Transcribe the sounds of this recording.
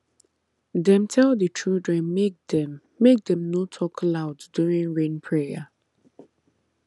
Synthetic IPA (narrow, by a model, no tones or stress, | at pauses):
dɛ̃mtʰɛlˠðət͡ʃʰudɹɛ̃nk̚dɛː | ek̚dɛ̃mnotʰɔkʰəlaʊddjuɹĩŋɹẽnpʰɹejə